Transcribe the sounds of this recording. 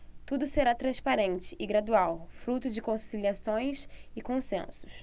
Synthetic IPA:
t̪ud̪ʊseɾat̪ɾɐ̃spaɾẽnt͡ʃɪʔɪɡɾad̪uawfɾut̪ʊd͡ʒɪkõsiliasõj̃sɪkõsḛ̃sʊ̥s

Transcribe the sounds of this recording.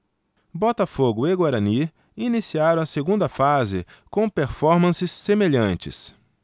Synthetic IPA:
bɔt̪ɐfoɡʊeɡwaɾɐni | inisiaɾɐ̃w̃ɐseɡũnd̪ɐfazɪ̰ | kõpeɾfɔɾmɐ̃sɪsːemeʎɐ̃nt͡ʃɪ̰s

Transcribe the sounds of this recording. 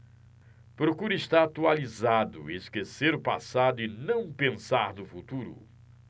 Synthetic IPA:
pɾokuɾɪʃt̪aat̪ualizad̪ʊ̰eskeseɾʊpa̰sad̪ʊɪnɐ̃w̃pẽsaɾnʊfut̪uɾʊ̰

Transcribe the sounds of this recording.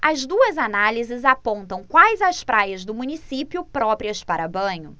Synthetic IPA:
ɐzd̪uɐzanalizɪzapõnt̪ɐ̃w̃kwajzɐspɾajɐzd̪ʊmũnisipjʊpɾɔpɾiɐspaɾɐbɐ̃ɲʊ

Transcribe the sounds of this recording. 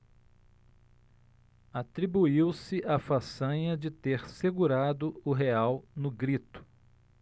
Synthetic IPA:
at̪ɾibuiwsɪʔafasɐ̃ɲɐd͡ʒɪt̪eɾseɡuɾad̪ʊʊɦeawnʊɡɾit̪ʊ̥

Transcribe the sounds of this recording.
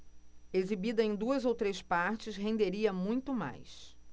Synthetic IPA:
ezibid̪ɐẽj̃d̪uɐzowt̪ɾespaɾt͡ʃɪsɦẽnd̪eɾiɐmũj̃t̪ʊma̰js

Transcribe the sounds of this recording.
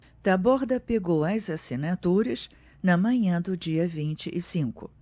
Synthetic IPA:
d̪̥ɐbɔɾd̪ɐpeɡowɐzasinat̪uɾɐs | nɐmɐ̃ɲɐ̃d̪ʊd͡ʒiɐvĩnt͡ʃɪʔɪsĩŋkʊ̰

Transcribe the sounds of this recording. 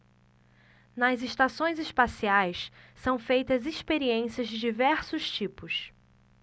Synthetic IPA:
nɐzɪʃt̪asõj̃zɪʃpasiajssɐ̃w̃fejt̪ɐziʃpeɾiẽsiɐzd͡ʒɪd͡ʒivɛɾsʊʃt͡ʃipʊs

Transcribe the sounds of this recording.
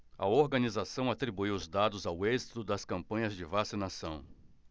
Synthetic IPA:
ɐ̰oɾɡɐnizasɐ̃w̃at̪ɾibuiwʊzd̪ad̪ʊzawezit̪ʊd̪ɐskɐ̃mpɐ̃ɲɐzd͡ʒɪvasinasɐ̃w̃

